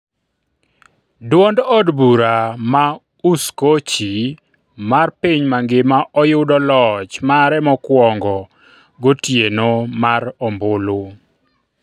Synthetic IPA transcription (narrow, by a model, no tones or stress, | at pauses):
dwɔndɔdbuɾama | uskot͡ʃi | marpiɲmaŋɡɪmaʔɔjʊdɔlɔt͡ʃmaɾɛmɔkwɔŋɡɔ | ɡotjenomaɾɔmbʊlo